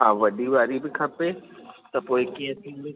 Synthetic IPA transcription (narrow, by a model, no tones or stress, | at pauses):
ɦãːʋɐɗiʋaːɾibɪkʰɐpet̪ɐpoːɪkiːə̃sĩːli